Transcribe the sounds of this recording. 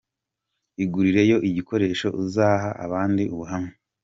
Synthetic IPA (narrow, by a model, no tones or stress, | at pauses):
iɡuɾiɾe̞jo̞ʔiɟiko̞ɾe̞ːʃo̞ʔizaːɦaʔa̰βaːndiʔuβuɦame